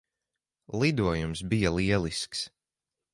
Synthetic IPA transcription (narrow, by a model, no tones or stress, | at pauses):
lˠid̪uɔjumsbijalˠiɛlˠisks